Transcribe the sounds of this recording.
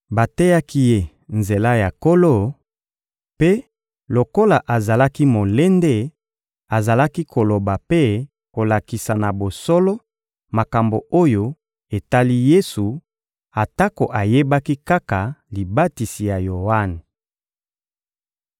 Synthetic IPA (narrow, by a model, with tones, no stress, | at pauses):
ba˨te˦ja˦ki˦je˦ | nze˨la˦ja˨ko˦lo˦˨ | pe˦ | lo˨ko˦la˨ʔa˨za˨la˦ki˦mo˨le˦nde˦ | a˨za˨la˦ki˦kʰo˨lo˨ba˨pe˦ | ko˨la˨ki˨sa˨na˨bo˨sɔ˦lɔ˦ | ma˨ka˨mbo˨o˦jo˦ | e˨ta˦li˦je˦su˨ | a˨ta˦ko˨ʔa˨je˦ba˦ki˦ka˦ka˨li˨ba˦ti˨si˨ja˨jo˨a˦ne˨